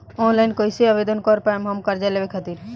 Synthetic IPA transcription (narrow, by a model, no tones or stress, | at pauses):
ɔ̃ːnlaɪnkoiseəʋed̪ənkɔɾpamɦɐmkɐɾd͡ʒaleʋekʰət̪iːɾ